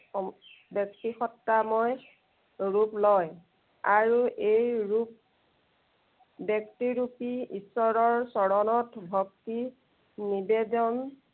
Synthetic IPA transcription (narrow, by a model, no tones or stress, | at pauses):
bjɔk̚tixɔtːamɔj | ɹuplɔj | aɹuʔejɹup̚ | bjɔktiɹupiisɔɹɔɹsɔɹɔnɔtbʱɔk̚ti | nibedɔn